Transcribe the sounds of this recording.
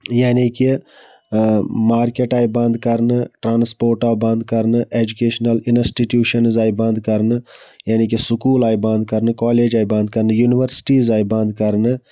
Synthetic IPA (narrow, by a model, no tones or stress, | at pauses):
jaːniki | maːɾkeʈaːibɐ̃nd̪kɐɾnɨʈɾaːnspoːɾʈaːbɐnd̪̚kɐɾnɨʔeːd͡ʒukeːʃnɐlinsʈiʈjuːʃɐnzaːjbɐ̃nd̪kɐɾnɨjaːnik̬isʊkuːlaːjbɐ̃nd̪kɐɾnɨkaːleːd͡ʒaːjbɐ̃nd̪̚kɐɾnɨjuniʋəɾsʈiːzaːjbɐ̃nd̪kɐɾnɨ